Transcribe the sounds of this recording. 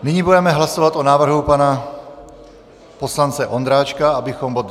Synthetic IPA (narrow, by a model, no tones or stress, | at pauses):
nɪɲibudɛmɛɦlasovat̪onaːvr̩ɦupana | poslant͡sɛʔond̪ɾaːt͡ʃkaabɪxombod̪